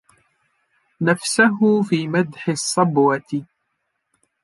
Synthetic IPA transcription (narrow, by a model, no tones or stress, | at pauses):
nafsaɦʊfiːmad̪ħɪsˤːɑbwɑt̪ɪ